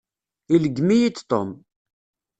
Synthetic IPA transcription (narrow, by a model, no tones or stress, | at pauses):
iləɡmijit͡st̪o̰m